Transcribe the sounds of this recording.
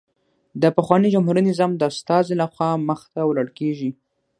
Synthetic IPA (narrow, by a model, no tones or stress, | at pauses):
d̪əpəxwɑnid͡ʒamɦuɾinɪzɑmd̪əast̪ɑzelaxwɑməxt̪awlaɽkeʒi